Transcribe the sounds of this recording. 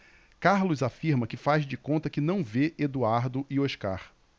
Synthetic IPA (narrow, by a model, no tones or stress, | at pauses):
kaɾlʊzafiɾmɐkɪfazd͡ʒɪkõnt̪ɐkɪnɐ̃w̃veʔed̪uaɾd̪ʊʔioʃka̰ɾ